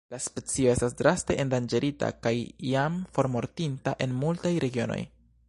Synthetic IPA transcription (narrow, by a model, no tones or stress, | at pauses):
laspe̞t͡sio̞e̞stasdɾaste̞ʔendand͡ʒe̞ɾʔita̰kajjamfo̞ɾmo̞ɾtintaʔe̞nmultajɾe̞ɡio̞̰no̞̰j